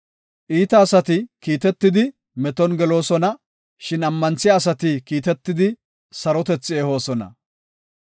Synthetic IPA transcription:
ʔiːt̪ɐːsɐt̪ɪkiːt̪ɛt̪ːɪd̪ɪ | mɛt̪ɔnɡɛlo̞ːsɔnɐ | ʃɪnɐmːɐnt͡sːɪjaːs̬ɐt̪ɪkiːt̪ɛt̪ːɪd̪ɪ | sɐɾɔt̪ɛt͡sːɪeːho̞ːsɔnɐ̰

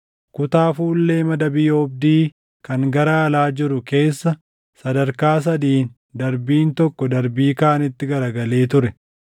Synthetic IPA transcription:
kʊt̪aːfuːlːeːmɐd̪ɐbɪjoːb̚d̪iː | kɐŋɡɐɾɐːlaːd͡ʒɪɾʊke̞ːsːɐ | sɐd̪ɐɾkaːs̬ɐd̪iːn | d̪ɐɾbiːnt̪ɔkːɔd̪ɐɾbiːkaːnɪt̪ːɪɡɐɾɐɡɐle̞ːt̪ʊɾɛ

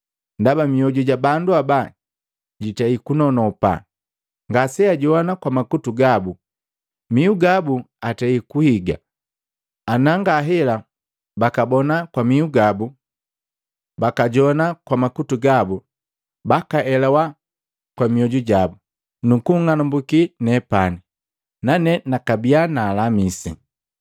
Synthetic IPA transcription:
ndabamiɔɟuɟabanduaba | ɟitɛikunɔnɔpa̰ | ŋɡasɛaɟɔnakwamakutuɡabu | miuɡabuatɛikuhiɡa̰ | anaŋɡaɦɛla | bakabɔnakwamiuɡabu | bakaɟɔnakwamakutuɡabu | bakaʔɛlɛwa | kwamiɔɟuɟabu | nukuŋanambukinɛpani | nanɛnakabianaːlamisḭ

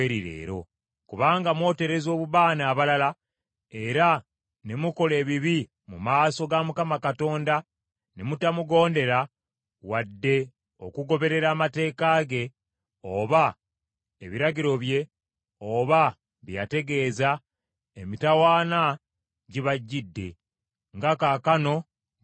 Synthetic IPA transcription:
eɾiɾḛːɾo̞̰ | kuβaːŋɡamwo̞ːte̞ɾe̞zo̞ːβuβaːnaːβalala | e̞ɾa | nemuko̞le̞ːβiβi | mumaːso̞ɡamukamakato̞ːnda | nemutamuɡo̞ːnde̞ɾa | wadːe̞ | o̞̰kuɡo̞βe̞ɾe̞ɾaːmate̞ːkaɡe̞ | oβa | eβiɾaɡiɾo̞βje̞ | o̞βa | βija̰te̞ɡe̞ːza | emitawaːna | ɟiβaɟːidːe̞̰ | ŋɡakakano̞

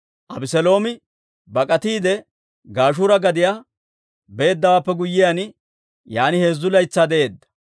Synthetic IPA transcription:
ʔɐbɪsɛlo̞ːmɪ | bɐkʼɐt̪iːd̪ɛ | ɡaːʃ̬uːɾɐɡɐd̪ɪjaː | be̞ːd̪ːɐwaːpːɛɡʊjːɪjan | jaːnɪhe̞ːzːʊlɐjt͡sːaːd̪ɛʔe̞ːd̪ːɐ̥

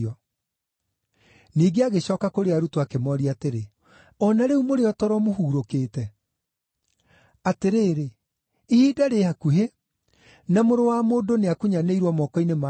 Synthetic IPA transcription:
ɔ | niːɡeaɣeɕɔːkakoɾeaɾutoakemɔɾiateɾe | ɔnaɾeumoɾeɔtɔɾɔmoɦuːɾokeːtɛ | ateɾeːɾe | ihiːdaɾehakuɦe | namoɾowamoːdoneakuɲaneiɾwɔmɔkɔinema

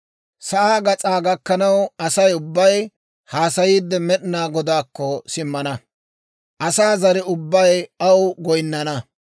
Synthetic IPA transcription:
sɐʔaːɡɐt͡sʼaːɡɐkːɐnɐwɐsɐjʊbːɐj | haːsɐjiːd̪ːɛmɛɗɪnaːɡɔd̪aːkːɔsɪmːɐnɐ | ʔɐsaːzɐɾɪʊbːɐjɐwɡɔjnːɐnɐ

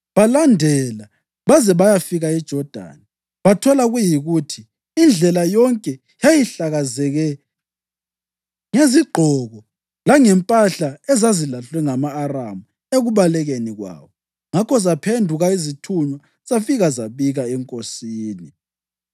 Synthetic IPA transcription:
βalandʱɛla | βazɛβajafiɣaid̥ʒ̥ʱɔd̥ʱa̰ːna | βatʰɔlaɣujiɣutʰiː | nd͡ɮʱɛlajɔŋkʼɛ | jajiɬaɣazɛɣɛ | ŋeziɡ͡ǃʱɔɣɔ | laŋɛmpʼaɬaɛzazilaɬwɛŋamaːramu | eɣuβalɛɣeniɣwa̰ːβɔ | ŋakʰɔzapʰendʱuɣaizitʰuɲwa | safiɣazaβiɣaɛŋkʼosiːni

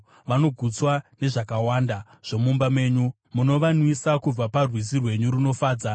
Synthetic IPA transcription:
ʋano̞ɡʱut͡swane̞ʐakawaːnda | ʐ̥o̞mumbamwe̞ːɲu | muno̞ʋanwisakub͡vaparwis̬irwe̞ɲuɾino̞faːd͡za

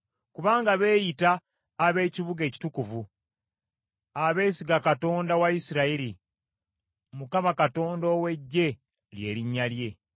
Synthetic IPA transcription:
kuβaːŋɡaβe̞ːjitaː | βe̞ːciβuɡe̞ːci̥tukuvu | aβe̞ːsiɡakato̞ːndawaisiɾaiɾi | mukamakato̞ːndo̞ːwe̞ɟːe̞ | lje̞̰ːɾiɲːalje̞

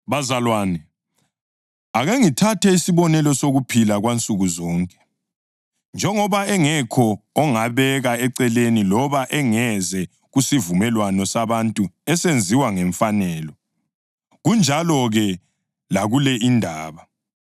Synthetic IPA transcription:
βazalwaːnɛ | aɣeŋitʰatʰɛisiβɔnɛlɔsoɣupʰilaɣwant͡sʼuɣuzɔːŋkʼɛ̥ | nd͡ʒʱɛŋɔβaɛŋɛkʰɔːŋaβɛɣaɛǀɛlenilɔβaʔɛŋɛzɛ | ɣusivumɛlwanɔsaβantʼuɛsend͡zʱiwaŋɛɱfanɛːlɔ | ɣund͡ʒʱalɔɣɛ | laɣulɛindʱaːβa

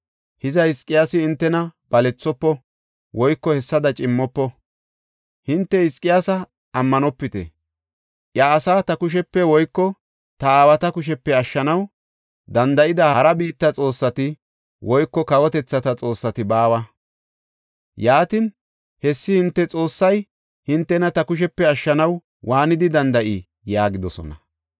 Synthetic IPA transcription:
hɪzɐhɪskʼːɪjaːsɪɪnt̪ːɛnɐb̥ɐlɛt͡sːɔpːɔ | wɔjkːɔhɛsːɐd̪ɐt͡ʃʼɪmːɔpːɔ | hɪnt̪ːɛhɪskʼːɪjaːsɐ | ɐmːɐnɔpːɪt̪ɛ̰ | ʔjaːsaːt̪ɐkʊʃ̬ɛpːɛwɔjkːɔ | t̪ɐaːwɐt̪ɐkʊʃ̬ɛpːɛɐʃːɐnɐw | d̪ɐnd̪ɐʔɪd̪ɐɐɾɐbiːt̪ːɐt͡sʼo̞ːsːɐt̪ɪ | wʔɔjkːɔkɐwɔt̪ɛt͡sːɐt̪ɐt͡sʼo̞ːsːɐt̪ɪbaːwɐ | jaːt̪ɪn | hɛsːɪhɪnt̪ːɛt͡sʼo̞ːsːɐj | hɪnt̪ːɛnɐt̪ɐkʊʃ̬ɛpːɛɐʃːɐnɐw | waːnɪd̪ɪd̪ɐnd̪ɐʔɪ | jaːɡɪd̪ɔsɔ̰nɐ

